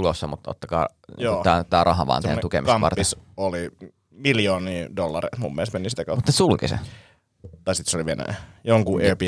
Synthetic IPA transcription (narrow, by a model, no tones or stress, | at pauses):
ulosːɑmut̪ːo̰t̪ːɑkɑ̰ː | oːt̪æːt̪æːrɑɦɑʋɑ̰ːˑntḛːukemiksɑmʋɑ̰rt̪isoli | miljoːniːdolːɑrḭmumːelest̪menisit̪ːækomut̪ːnesulkisḛ | t̪ɑisit̪seoliʋienæ̰joŋkuʔepi